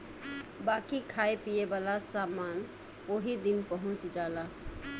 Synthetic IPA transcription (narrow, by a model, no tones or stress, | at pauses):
bakikʰaepijebalasaman | oɦid̪inpəɦʊ̃t͡ʃd͡ʒala